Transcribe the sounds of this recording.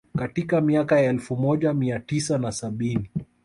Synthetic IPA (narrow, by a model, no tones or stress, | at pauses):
katikamiakajaɛlfumɔʄamiatisanasaɓini